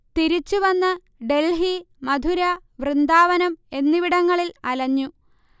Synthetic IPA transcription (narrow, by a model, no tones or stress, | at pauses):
t̪iɾit͡ɕːuʋɐnːɨ | ɖe̞lɦi | mɐd̪ʱuɾɐʋrɨnd̪aːʋɐnɐme̞nːiʋiɽɐŋːɐɭilɐlɐɲːu